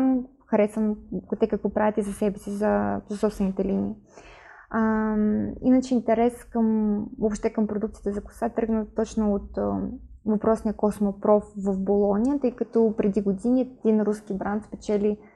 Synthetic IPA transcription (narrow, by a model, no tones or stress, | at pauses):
m | xɐɾɛsvəmkt̪ɛkɐkvɔpɾavʲjət̪izɐsɛbɛsizɐzɐsɔpst̪vɛnit̪ɛlinḭː | inət͡ʃɛint̪ɛɾɛskəmopʃt̪ɛkəmpɾod̪ukt̪siət̪ɛzɐkʊ̥sat̪ɤɡnət̪ɔt͡ʃnoot̪ | vɐpɾɔsnijəkɔsmopɾɔfvəfbolˠɔnʲijət̪ɤjkɐt̪ɔpɾɛd̪iɡod̪iniɛd̪inɾuskibɾant̪spɛt͡ʃɛli